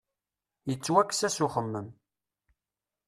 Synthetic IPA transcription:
jət͡sːwækːsæsʊχəmːəm

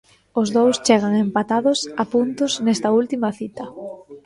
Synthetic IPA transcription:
ʊzðowst͡ʃeɣ̞ɐŋempat̪aðʊsɐpunt̪ʊznɛst̪ɐult̪imɐθit̪ɐ

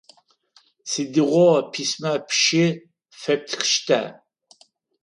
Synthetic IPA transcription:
sid̪iʁʷɔpʰismapʰʃi | fɛp̚t̪ʰxʃt̪ʰæ̰

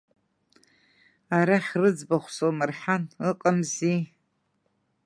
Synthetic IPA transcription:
aɾaχʲrɨd͡zbaχʷsomɨrħanɨqʼəmzi

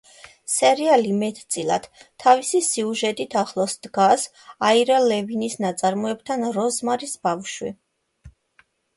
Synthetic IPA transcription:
sɛɾialimɛt̪ʰt̪sʼilˠad̪̥t̪ʰːavisisiuʒɛt̪ʼit̪ʰaχlˠɔsd̪̥ɡas | aiɾalɛvinisnat̪sʼaɾmɔɛb̚t̪ʰanɾɔzmaɾisbafʃwḭ

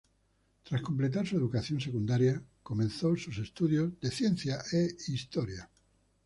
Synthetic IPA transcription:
t̪ɾasko̞mplet̪̬aɾsue̞ðukaθjons̬ekund̪aɾjako̞mẽnθosuse̞st̪uðjozðeθjen̟θjaʔeist̪oɾja

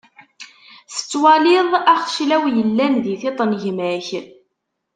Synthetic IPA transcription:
θə̥t͡sːwɑlɪðˤæχʃlæwjəlːænðiθit̪ˤːnʝmæç

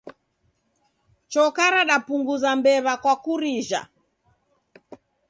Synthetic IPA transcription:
t͡ʃɔkaɾaɗapuŋɡuzambɛβakwakuɾiʒa̰

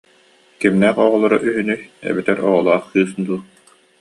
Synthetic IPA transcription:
kimnɛqɔʁɔlˠɔɾaʔyɦynyjɛ̰bit̪ɛɾɔʁɔlˠaːχkɯːsd̪uː

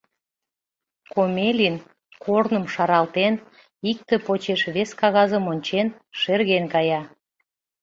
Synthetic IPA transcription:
komʲelʲin | kʰornəmʃɑɾɑlt̪en | ik̚t̪ĕpot͡ɕeʃβeskɑɣɑzəmonʲt͡ɕen | ʃerɣenkɑjɑ

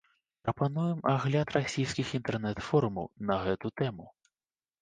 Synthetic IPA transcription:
pɾɐpanujɛmɐɣlʲat̪rɐsʲijsʲkʲɪxint̪ɛrnɛt̪fɔɾʊmɐwnɐɣɛt̪ʊt̪ɛmʊ

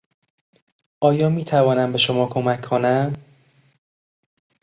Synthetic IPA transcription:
ʔɒːjɒːmiːt̪ʰævɒːnæmbe̞ʃo̞mɒːkʰo̞mækʰːo̞næm

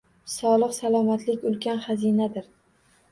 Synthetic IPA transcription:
sɒlˠɨqsalˠɒmat̪lɪkʲʊlˠkʲanχazinad̪ɪɾ

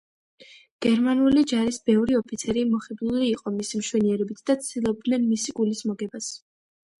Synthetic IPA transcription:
ɡ̥ɛɾmanulid͡ʒaɾisbɛvɾiɔpʰit̪sʰɛɾimɔχɛd̪luliːqʼɔmisimʃwɛniɛɾɛbit̪ʰd̪̥at̪sʰd̪̥ilˠɔb̪nɛnmisikʼulismɔɡɛbas

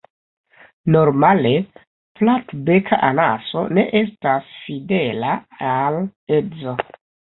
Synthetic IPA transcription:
no̞ɾmale̞ | platbe̞kʰa̰ʔana̰so̞̰ne̞ʔe̞stasfide̞laale̞d͡zo̞

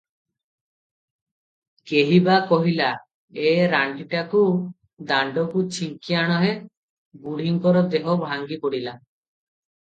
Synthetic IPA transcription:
keɦibakɔɦila | eɾaɳʈiʈaku | d̪aɳɖɔkut͡ʃʰiŋkiaɽ̃ɔɦe | buɽ̤ʱiŋkɔɾɔd̪eɦɔbʱaŋɡipoɽila

